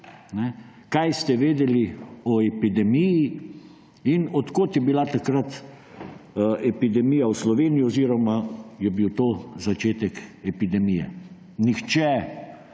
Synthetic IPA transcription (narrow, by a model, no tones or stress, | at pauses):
nɛ | kajst̪ɛʋeːd̪ɛliɔɛpid̪ɛmiji | inɔt̪koːt̪jɛbilat̪akɾat̪ | ɛpid̪ɛmijawslɔʋeːnijiɔziːɾɔmajɛbiwt̪ozat͡ʃeːt̪ɛkɛpid̪ɛmijɛ̰ | nixt͡ʃɛ